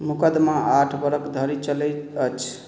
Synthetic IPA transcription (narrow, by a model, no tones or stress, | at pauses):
mukəd̪maaʈʰbəɾəkd̪ʱəɾit͡ʃələət͡ʃʰ